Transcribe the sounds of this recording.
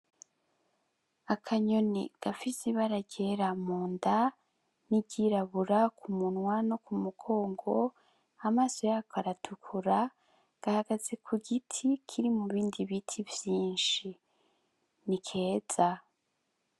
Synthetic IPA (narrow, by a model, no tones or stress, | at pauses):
akʰaɲonḭɡ̥afisiβaɾaɟeɾamuːnda | niɟiɾaβuɾakʰumunwanokumuɡo̞ːŋɡo̞ | amaːso̞jaːkʰoaɾatʰukʰuɾa | ɡ̥ahaɡ̥aze̞kʰuɡitʰikʰiɾimuβiːndiβitʰivjiːnʃi | nikʰe̞ːz̥a